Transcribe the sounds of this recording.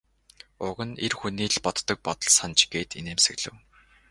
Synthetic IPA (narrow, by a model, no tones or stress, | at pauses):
ʊɣə̆nerxuniːɮpɔt̪ːɞ̆k̚pɔt̪ɞ̆ɮsant͡ɕɡ̥eːt̪ḛnemsɘ̆ɣɮɘ̰̆w